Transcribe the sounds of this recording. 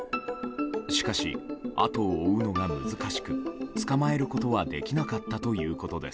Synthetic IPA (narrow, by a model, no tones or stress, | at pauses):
ɕi̥kaɕḭa̰t̪o̞ːɯ̟no̞ɡamɯ̟zɨkaɕi̥kɯ̟t͡sɨ̥kamae̞ɾɯ̟ko̞t̪o̞βad̪e̞kʲinakat̪ːat̪o̞jɯ̟ːko̞t̪o̞d̪e̞̰sɨ̥